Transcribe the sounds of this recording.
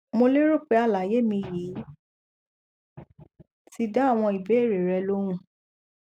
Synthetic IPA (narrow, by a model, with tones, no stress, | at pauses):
mo˧le˦ɾo˦˨k͡pe˧a˧˨la˨je˨˦mĩ˧ji˨˦ | ti˧da˦a˦˨w̃ɔ̃˧i˨be˨˦e˦˨ɾe˨ɾɛ˧lo˦w̃ũ˦˨